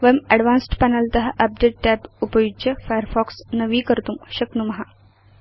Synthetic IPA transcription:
ʋɐmɐɖʋãːnsʈpɐnɐlt̪ɐɦɐʔɐp̚ɖeːʈːɛːbupɐjud͡ʒɐfajəɾfɔːksnɐʋiːkɐɾt̪umʃɐknumɐɦa

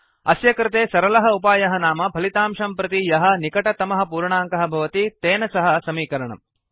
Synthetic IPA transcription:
ɐsjɐkɾɪt̪eːsɐɾɐlɐɦɐupaːjɐɦɐnaːmɐbʱɐlit̪aːmʂɐmpɾɐt̪ijɐɦɐ̆nikɐʈɐt̪ɐmɐɦɐ̆puːɾɳaːŋkɐɦɐ̆bʱɐʋɐt̪it̪eːnɐsɐɦɐ̆sɐmiːkɐɾɐɳɐ̰m

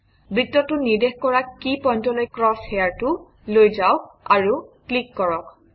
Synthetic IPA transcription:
bɹitːɔtʊnidexkɔɹakipɔjntɔlojkɹɔsejaɹtʊ | lojzaʊkaɹuklikːɔɹɔk

